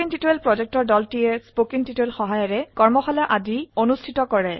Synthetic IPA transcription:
iŋtitoelpɹɔd͡ʒɛk̚tɔɹdɔltijɛspokiŋtitoelxɔɦajɔɹɛkɔɹmɔxɔlaʔadionustʰitɔkɔɹɛ

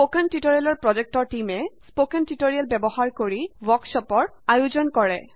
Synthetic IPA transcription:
pokɛntitoɹijalɔɹpɹɔd͡ʑek̚tɔɹʈimɛsspokɛntitoɹijalbɛbɔhaɹkoɹiwɔksɔpɔɹ | ajuzɔnkɔɹɛ

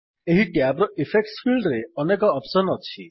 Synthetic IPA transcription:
eɦiʈiabɾɔʔipʰek̚ʈsfilɖɾeɔnekɔːpsɔnɔt͡ʃʰi

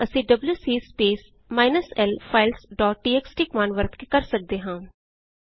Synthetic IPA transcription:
əsĩːɖəbljuːsiːspeːs | maːɪnəsɛlpʰaːɪlsɖɔːʈ̚ɖiːeːksʈiːkmaːnʋəɾt̪kekəɾsək̚d̪eːɦãː

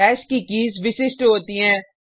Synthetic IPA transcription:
ɛːʃkikiːzʋɪsɪsʈɦoːt̪iɦɛ̃ː

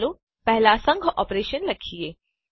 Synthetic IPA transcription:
lo | pɛɦlasɐ̃ŋɡʱʔɔːpɾeːʃənɾɐkʰieː

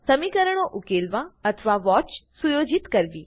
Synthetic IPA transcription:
səmikəɾəɽ̃oʔukeːlʋãət̪ʰʋaʋɔːt͡ʃsujoːd͡ʒɪt̪kəɾʋiː

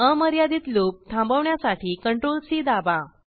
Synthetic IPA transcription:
əməɾjad̪it̪lop̚t̪ʰãmbəʋɳjasaʈʰiːkəɳʈɾolsiːd̪aba

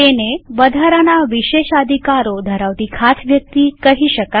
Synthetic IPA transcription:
eneʋəd̪ʱaɾanaʋiʃeʃəd̪ʱikaɾod̪ʱəɾaʋt̪ikʰasʋjək̚t̪ikəɦiʃəka

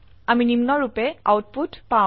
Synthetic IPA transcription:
aminimnɔɹupɛa̰wt̚putpã

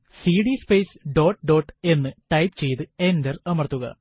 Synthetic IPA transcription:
siːɖispeːsɖo̞ːʈːɖo̞ːʈːe̞nːɨʈɐjpt͡ɕe̞jt̪ɨe̞ndɐrɐmɐrɐt̪ːuɣɐ̰

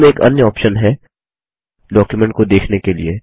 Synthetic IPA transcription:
mẽeːkɐ̰njəɔːpʃənɦɛ | ɖɔːkjumɛ̃ɳʈ̚kod̪eːkʰnekelie

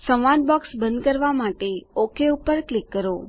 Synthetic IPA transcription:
sə̃ʋʋad̪bɔksbə̃nd̪̚kəɾʋamaʈeokʰeupəɾklikːəɾo

